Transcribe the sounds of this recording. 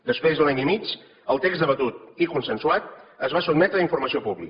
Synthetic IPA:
d̪əspɾezðulaɲimit͡ʃ | əlˠt̪ekzd̪əβət̪ut̪ikunsənsuat̪̚əzβasud̪mɛt̪ɾəiɱfuɾməsiopuβlḭk

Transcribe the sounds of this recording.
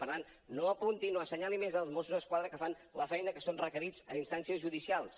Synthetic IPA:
pəɾt̪an | noəpunt̪inoəsəɲalimezəlˠzmosuzðəskwaðɾəkəfan | ləfɛjnəkəsonrəkəɾid͡zə̰inst̪ansiəzʒuðisialˠs

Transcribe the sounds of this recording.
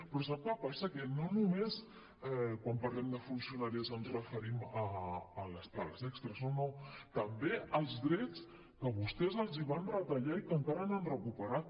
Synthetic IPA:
pɾɔs̬apləpasəkənonumes | ɛkwampəɾlɛmd̪əfunsiunaɾiəzənzrəfəɾiməːləst̪aləzɛkst̪ɾəzonot̪əmbeəlˠzðɾɛt͡s | kəβust̪ɛzəlˠziβ̞anrət̪əʎaikəŋkaɾənanrəkupəɾat̪̚

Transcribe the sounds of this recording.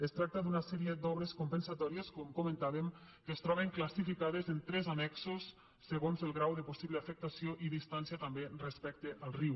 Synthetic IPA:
est̪ɾak̚t̪ad̪unasɛɾied̪ɔβ̞ɾeskompensat̪ɔɾieskomkomẽnt̪aβem | kest̪ɾɔβeŋklasifikaðezent̪ɾɛzanɛksosː | eɣonzelˠɣɾawðəposiβleafek̚t̪asioʔiðist̪ansiat̪amberespɛk̚t̪eʔalˠriw

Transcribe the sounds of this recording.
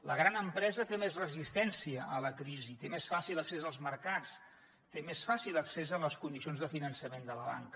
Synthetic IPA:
ləɣ̞ɾanəmpɾɛzət̪emezrəzist̪ɛnsiəʔələkɾizit̪emesfasiləksezəlˠzməɾkat͡s | t̪emesfasiləksezəmləskund̪isionzðəfinənsəmend̪ələβa̰ŋkə

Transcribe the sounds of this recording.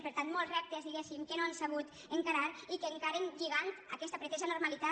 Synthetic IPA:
peɾt̪ant̪molˠzrɛp̚t̪ezðiɣesimkenoansaβ̞ut̪ | əŋkaɾaɾikeŋkaɾenʎiɣant̪akɛst̪apɾet̪ɛʒanuɾmalit̪a

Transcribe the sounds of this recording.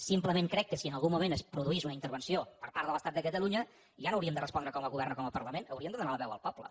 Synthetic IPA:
simpləmeŋkɾɛkːəsiənəlˠɣumːumenəspɾuðuizunəint̪əɾβənsiopəɾpaɾðələst̪at̪̚d̪əkət̪əluɲə | ʒanoəwɾiəmnd̪ərəspɔnd̪ɾəkɔməlˠɣuβ̞ɛrnəkɔməpəɾləmenəwɾiəmnd̪əðunaləβɛwə̰lˠpɔblə̰

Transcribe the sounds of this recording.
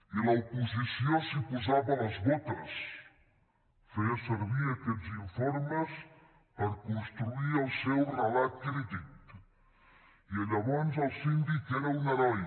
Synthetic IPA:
ilɐupuzisjosipuzaβɐlɐzβot̪əs | fejɐseɾβiɾakeʎziɱfoɾməs | pəɾkunst̪ɾuiɾelˠsɛwrɐlat̪̚kɾid̪it̪ | iɐʎaβɔnzɐlˠsind̪ikɛɾɐunɐɾɔj

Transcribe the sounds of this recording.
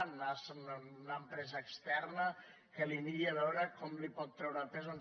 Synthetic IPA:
nnasnnampɾɛzaekst̪ɛrna | kəliniaβɛwɾakɔmlipɔt̪ːɾɛwɾapezon

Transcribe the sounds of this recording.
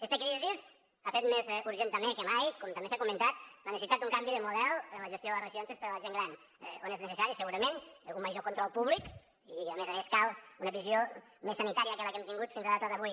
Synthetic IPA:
ɛst̪əkɾiziz | afet̪mezuɾʒent̪əmekəmajkɔmt̪əmbesakumənt̪at̪lənəsit̪at̪uŋkambiðəmuðɛlˠənləʒəst̪joðələrəzionsespəɾələʒeŋɡɾan̰ | o̰neznəsəsaɾisəɣuɾəmenuməʒokunt̪ɾəlˠpuβlik | iamezameskalˠunəβizio | mesːənit̪aɾiəkələkɛmt̪iŋɡut̪finzləðat̪əðəβuj

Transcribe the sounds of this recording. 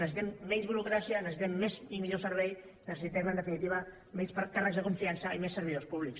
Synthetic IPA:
nəsit̪ɛmːɛɲzβuɾukɾasiənəssit̪ɛmːezimiʎosəɾβɛj | nəsəsit̪ɛmənd̪əfinit̪iβə | mɛɲspkarəɡzðəkuɱfiansəimesːəɾβiðospuβliks

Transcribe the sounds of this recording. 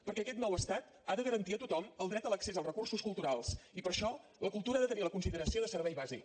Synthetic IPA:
pəɾkɛəkɛt̪nɔwəst̪at̪ | aðəɣəɾənt̪iət̪ut̪ɔməlˠd̪ɾɛt̪ələksezəlˠrəkursuskulˠt̪uɾalˠsipəɾʃɔləkulˠt̪uɾəaðət̪əniləkunsiðəɾəsioðəsəɾβɛjβazḭk

